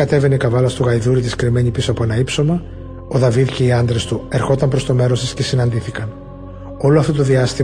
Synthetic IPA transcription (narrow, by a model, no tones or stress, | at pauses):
ɐt̪e̞ve̞neikɐvɐlɐst̪uɣɐjðuɾit̪iskɾime̞ɲipisoɐpoenɐipso̞mɐ | oðɐviðce̞iɐnd̪ɾe̞st̪ue̞ɾxo̞t̪ɐmpɾo̞st̪o̞me̞ɾo̞st̪ɐsce̞sinɐnd̪iθikɐn | o̞loɐft̪o̞t̪o̞ðiɐst̪i